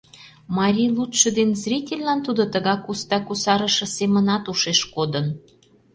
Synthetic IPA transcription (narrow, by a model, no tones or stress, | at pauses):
mɑɾʲijlut̪ʃɤ̆d̪enzrʲitʲelʲlɑnt̪ud̪ot̪əɣɑkust̪ɑkusɑɾə̆ʃɤ̆semə̆nɑt̪uʃeʃkod̪ən